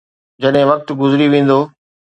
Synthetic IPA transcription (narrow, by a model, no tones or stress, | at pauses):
d͡ʑɐɗɦɪ̃ʋɐk̚t̪ɡʊzɾiʋẽːn̆d̪oː